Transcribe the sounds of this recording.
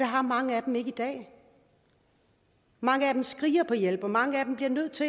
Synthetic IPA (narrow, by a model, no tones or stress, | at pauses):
d̥ɑ̈ɦɑ̈mɑ̈ŋəæd̥eme̝ɡ̥əid̥ɛ̰ː | mɑ̈ŋəæd̥emsɡ̥ʁḭːɐpʰɒ̽jel̰b̥ɒmɑ̈ŋəæd̥emb̥liɐnøð̞̰ˠt͡sʰe̝